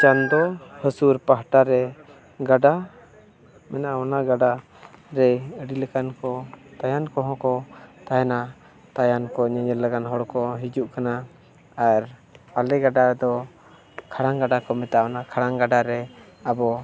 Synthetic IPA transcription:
t͡ʃand̪ɔhəsuɾpaɦʈaɾɛ | ɡaɖa | mɛnaʔaɔnaɡaɖa | ɾɛəɖiləkankɔt̪ajankɔɦɔ̃kɔt̪aɦɛna | t̪ajankɔɲəɲəllaɡanɦɔɽkɔɦid͡ʒuʔkana | aɾpalɛɡaɖad̪ɔ | kʰaɽaŋɡaɖakɔmɛt̪aʔɔnakʰaɽaŋɡaɖaɾɛ | abɔ

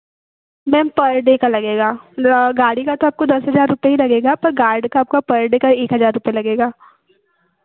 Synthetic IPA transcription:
mɛ̃ːmpɐɾɖeːkɐɾlɐɡeːɡaːɡaːɽikat̪oaːp̚kod̪ɐsɦɐzaːɾɾʊpeɦilɐɡeːɡapɐɾɡaːɾɖkaaːp̚kapɐɾɖeːkɐɾeːkɦɐzaːɾːʊpjelɐɡeːɡaː

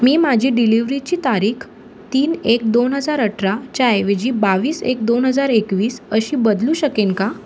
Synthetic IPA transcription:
miːmad͡ʑʱiːɖiliʋɾit͡ɕiːt̪aɾiːkʰ | t̪iːnek̚d̪onɦəd͡zaɾəʈʰɾat͡ɕajʋed͡ʑiːbaʋiːsḛk̚d̪onɦəd͡zaɾekʋiːsəɕiːbəd̪lũːɕəkeŋka

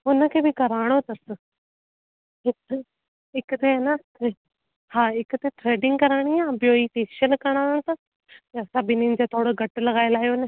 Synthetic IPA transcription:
ʊnə̆kʰeːbɪkɐɾaːɽ̃ot̪ɐsə | ɦɪk | ɦɪkʊt̪eɦːna | e | haːɦɪkt̪eʈɾeːɖɪ̃ŋɡkɐɾaːɽ̃iãːbjoːifeːʃəlkɐɽ̃aːɽ̃ot̪ɐ | ɐsãbɪninɪ̆d͡ʑet̪ʰoːɽoɡʱɐʈlɐɡaːjlaːjonɪ

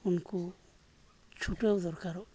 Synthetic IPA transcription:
unku | t͡ʃʰuʈewd̪ɔɾkaɾɔ

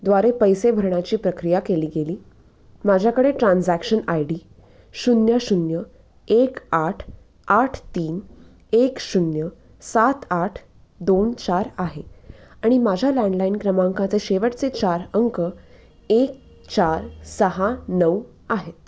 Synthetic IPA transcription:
d̪ʋaɾepəjsebʱəɾɳjat͡ɕiːpɾəkɾijakeliːɡeliː | mad͡ʑʱjakəɽeʈɾãnd͡zækɕənajɽiː | ɕunjəɕunjə | ekaʈʰ | aʈʰt̪iːn | ekɕunjə | sat̪aʈʰ | d̪ont͡ɕaɾaɦeaɽ̃imad͡ʑʱalæ̃ɳɖlainkɾəmãŋkat͡seɕeʋəʈt͡set͡ɕaɾəŋkə | ek̚ | t͡ɕaɾsəɦanəw | aɦet̪̚

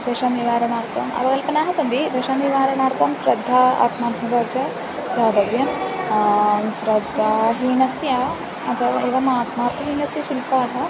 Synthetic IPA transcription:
d̪ɐʃaːniʋaːɾɐɳaːɾt̪ʰɐmɐ̰ʋɐkɐlpɐnaːɦɐsɐnd̪id̪ɐʃaːniʋaːɾɐnaːɾt̪ɐmsɾɐd̪ʱːaːa̰ːt̪maːɾt̪ʰɐbɐːt͡ʃɐ | d̪ʱaːd̪ɐʋjɐm | sɾɐd̪ʱːaːɦiːnɐsja | ɐt̪ʰɐʋa̰eːʋɐmaːt̪maːɾt̪ʰɐɦiːnɐsjɐʃilpaːɦɐ̆

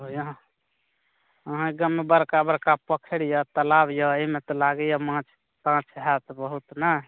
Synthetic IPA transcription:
oj̃ | əɦãɡəmːebəɾkabəɾkapəkʰəɽjət̪əlabjɔemet̪ɔlaɡjamãt͡ʃʰ | pãt͡ʃʰɦɛt̪bəɦut̪nə

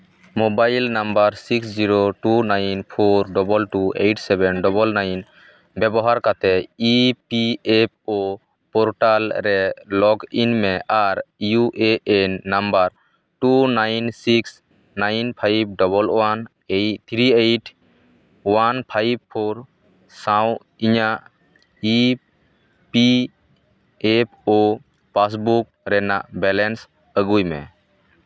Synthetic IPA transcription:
mobajlnambaɾsiksd͡ʒiɾoʈunajnpʰoɾɖɔbɔlʈuejʈsɛbɛnɖɔbɔlnajn | bɛbɔɦaɾkat̪ɛipiep̚ʰo | pɔɾʈalɾɛlɔɡinmɛʔaɾjuʔeʔenːambaɾ | ʈunajnsiks | najnpʰajb̚ɖɔbɔlwan | ejt̪ʰɾiejʈʰ | wanpʰajb̚pʰːoɾ | saw̃ | iɲaʔ | i | pi | epʰo | pas̬buk̚ɾɛnaʔbɛlɛns | əɡujmɛ̰̃

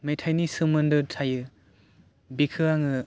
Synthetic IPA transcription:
mejtʰajnisɯmɯndɯtʰajɯ | bikʰɯaŋɯ

